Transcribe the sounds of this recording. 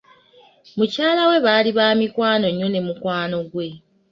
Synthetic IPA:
mucaːlawe̞βaliβaːmikwaːno̞ɲːone̞mukwaːno̞ɡwe̞

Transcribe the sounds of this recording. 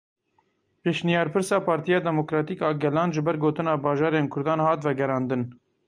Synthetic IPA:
peːʃnijɑːɾpʰɨɾsɑːpʰɑːɾt̪ijɑːd̪ɛmokɾɑːt̪iːkɑːɡɛlɑːnʒɨbɛɾɡoːt̪ɨnɑːbɑːʒɑːɾeːnkʰʊɾd̪ɑːnhɑːt̪vɛɡɛɾɑːnd̪ɨn

